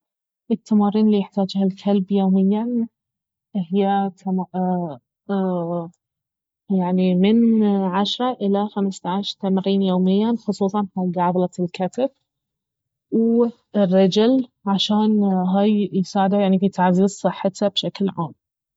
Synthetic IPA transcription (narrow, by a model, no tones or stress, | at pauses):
ʔɪt̪ʰːamɑːɾiːnlːiːjɪħt̪aːd͡ʒhalkʰalbjoːmɪjːa | hɪjːat̪am | jaʕnimɪnʕaʃɾˤɑʔɪlaxamst̪aʕaʃɾt̪amɾiːnjoːmɪjːanxʊsˤuːsˤɑnfaɡaʕablɑlkat̪ɪb̚ | w | ɪrːɑd͡ʒʊlʕaʃaːnɦaːjjɪsaːʕɪd̪ajaʕnifit̪aʕziːzˤsˤɨħːɪt̪abʃaklʕa̰ːm